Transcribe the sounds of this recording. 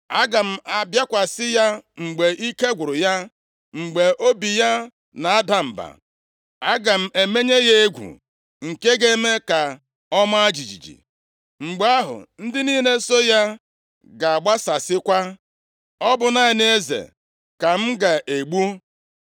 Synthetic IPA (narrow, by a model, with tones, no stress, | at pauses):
a˦ɡa˨m̩˦a˨bja˦kʷa˨sɪ˦ja˦ŋ͡m̩˨ɡ͡be˨ʔi˦ke˦ɡʷʊ˨ɾʊ˨ja˦ | ŋ͡m̩˨ɡ͡be˨ʔo˦bi˨ja˦ | na˨a˦da˨m̩˨ba̰˨ | a˦ɡa˨m̩˦e˨me˦ɲe˦je˦e˦ɡʷṵ˨ | ŋ̩˨ke˦ɡe˦me˦ka˨ | ɔ˦ma˦a˦d͡ʒi˨d͡ʒḭ˨d͡ʒḭ˨ | ŋ͡m̩˨ɡ͡be˦a˦ɦʊ̰˨n̩˦dɪ˦niː˦ne˦so˦ja˦ | ɡa˨a˨ɡ͡ba˦sa˨sɪ˦kʷa˦ | ɔ˦bʊ˨na˦ɪ˨n˦e˦zḛ˨ | ka˨m̩˦ɡa˨ʔe˨ɡ͡bu˦